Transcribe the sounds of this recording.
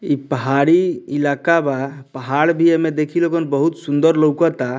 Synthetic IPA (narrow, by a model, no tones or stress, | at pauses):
ipəɦaɾiilakabapəɦaɽbʱiemed̪ekʰilokənbəɦut̪sund̪əɾləwkɔt̪a